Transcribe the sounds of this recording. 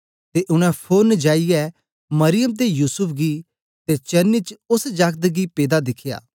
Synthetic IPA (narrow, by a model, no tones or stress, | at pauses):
t̪eʔʊɽ̃ɛ̃pʰoːnd͡ʒaːijɛ | mɐɾɪjəmt̪̬ejuːsʊpʰɡi | t̪et͡ʃɐnit͡ʃʊsd͡ʒakd̪ɡipeːd̪ad̪ɪkʰɪja̰ː